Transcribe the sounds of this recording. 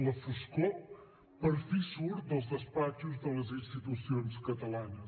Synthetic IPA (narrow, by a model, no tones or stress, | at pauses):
nɐfuʃko | pɐɾfisuɾd̪ɐ̃zðɐspat̪juʒðɐ̃ɐzĩʃt̪it̪usjõnskɐt̪ɐlˠanɐ